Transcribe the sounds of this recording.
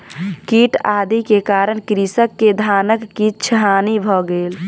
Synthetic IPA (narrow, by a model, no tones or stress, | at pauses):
kiʈad̪ikekaɾəɳkɾisəkːed̪ʱanəkːitːt͡ʃʰəɦanibʱɔɡel